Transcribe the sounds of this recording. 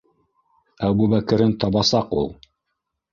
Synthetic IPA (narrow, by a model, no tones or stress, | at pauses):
æβbuβækɘ̆ɾɘnt̪ɑβɑsɑqṵlˠ